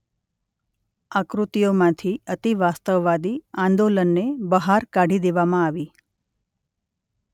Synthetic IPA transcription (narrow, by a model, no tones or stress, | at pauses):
akɾut̪ijomãt̪ʰiət̪iʋast̪əʋːad̪iãnd̪olənːebəɦaɾkaɽ̤ʱid̪eʋamãaʋi